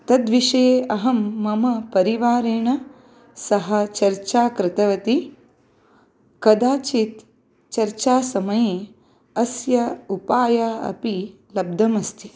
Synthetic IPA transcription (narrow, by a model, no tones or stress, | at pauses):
t̪ɐd̪ʋiʂɐjeːɐɦɐmːɐmɐpɐɾiʋaːɾeːɳɐ | sɐɦɐ̆t͡ʃɐɾt͡ʃaːkɾɪt̪ɐʋɐt̪i | kɐd̪aːt͡ʃit̪ | t͡ʃɐɾt͡ʃaːsɐmɐjeː | ɐsjɐupaːjaːɐ̰pi | lɐb̚d̪ʱɐmɐst̪ʰi